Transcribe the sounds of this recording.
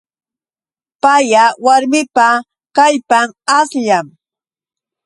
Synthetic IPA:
pajawaɾmɪpa | kaʎpamasʎam

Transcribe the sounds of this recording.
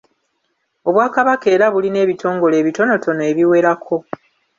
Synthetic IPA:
o̞βwaːkaβake̞ːɾaβuline̞ːβitʰo̞ːŋɡo̞le̞ːβito̞no̞tʰo̞noeβiwe̞ɾakʰo̞

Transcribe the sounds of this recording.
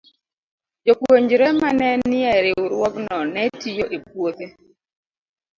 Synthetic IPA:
d͡ʒokwoɲd͡ʒɾɛmanɛnɪɛɾɪuɾwɔknɔnɛtijoʔep̚wot̪e

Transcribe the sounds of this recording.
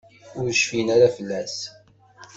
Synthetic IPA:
ʊɾʃfinaɾæfəlːæs

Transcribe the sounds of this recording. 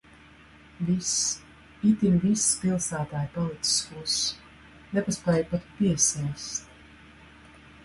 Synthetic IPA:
vis | it̪iɾvisːpilˠsæːt̪aːjpɔlˠit̪si̥skus | nɛpaspɛjpat̪piɛsɛjst̪

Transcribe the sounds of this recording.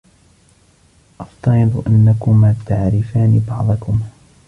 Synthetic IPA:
ʔɑft̪ɑɾɨd̪ˤʔanːakʊmaːt̪aʕɾɪfaːnibɑʕd̪ˤɑkʊm

